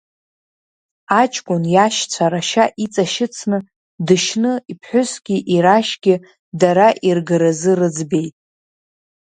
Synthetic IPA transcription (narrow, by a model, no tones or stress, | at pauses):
at͡ʃʼkʷʼʊnjaʃt͡sʷʰaɾaʃaʔit͡sʼaʃɪt͡sʰnɨ | dɨʃnɨipʰħʷʊsɡ̥ʲiʔiɾaʃɡʲɪ | daɾaʔirɡɨɾazɨrɨd͡zbe̞jtʼ